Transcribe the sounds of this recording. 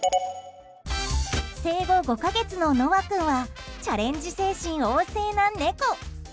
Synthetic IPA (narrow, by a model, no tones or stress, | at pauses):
se̞ːɡo̞ɡo̞kaɡe̞t͡sɨno̞noβakɯ̟̃ɰ̃βat͡ɕaɾẽ̞ɲ̟d͡ʑise̞ːɕĩɰ̃oːse̞ːnãnːe̞ko